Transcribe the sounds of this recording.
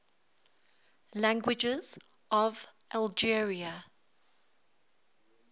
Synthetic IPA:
læ̃ŋɡwɪd͡ʒɪz | ʔɔvʔalˠd͡ʒiəɹiə

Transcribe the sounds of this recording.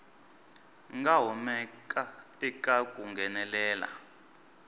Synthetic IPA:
ŋɡaɦɔmɛkʼa | ɛkʼakʼuŋɡɛnɛlɛːla̰

